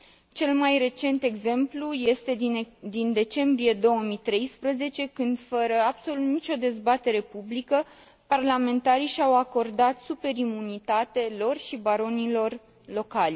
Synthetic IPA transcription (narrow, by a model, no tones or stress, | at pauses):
t͡ʃe̞lmajre̞t͡ʃe̞nt̪e̞ɡze̞mpluje̞st̪e̞d̪ind̪e̞t͡ʃe̞mbɾije̞d̪o̞wəmit̪ɾe̞jspɾəze̞t͡ʃe̞kɨnd̪fəɾəabso̞lut̪nit͡ʃʲo̞d̪e̞zbat̪e̞ɾe̞publikə | parlame̞nt̪aɾiʃawako̞rd̪at̪supe̞ɾimunit̪at̪elo̞rʃibaɾo̞nilo̞r | lo̞kalʲ